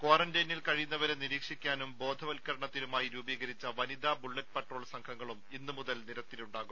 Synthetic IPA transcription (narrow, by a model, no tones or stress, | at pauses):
koːrɐndeːnilkɐɻijunːɐʋɐɾe̞niɾiːkʂikʲːaːnumbo̞ːd̪ʱɐʋɐlkɐɾɐɳɐt̪ːiɾumaːjiɾuːbiːɣɐɾit͡ɕːɐʋɐnid̪aːbuɭːɐt̚peʈro̞ːɭsɐŋkʰɐŋːɐɭuminːumuðɐlniɾɐt̪ːiluɳɖaːɣum